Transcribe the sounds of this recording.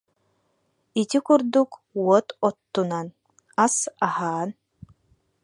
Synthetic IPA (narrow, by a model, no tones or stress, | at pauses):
it̪ikuɾd̪ukuɔt̪ɔt̪ːunan | asahaːn